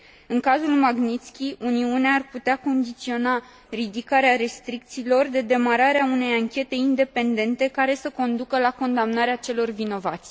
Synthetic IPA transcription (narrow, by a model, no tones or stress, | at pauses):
ɨŋkazulmaɡnit̪skʲiuniuneaːrput̪eako̞nd̪it̪sio̞na | rid̪ikaɾeaɾe̞st̪ɾik̚t̪siːlo̞rd̪e̞d̪e̞maɾaɾeaune̞jaŋkʲe̞t̪e̞ind̪e̞pe̞nd̪e̞nt̪e̞kaɾe̞səko̞nd̪ukəlako̞nd̪amnaɾeat͡ʃe̞lo̞rvino̞va̰t̪sʲ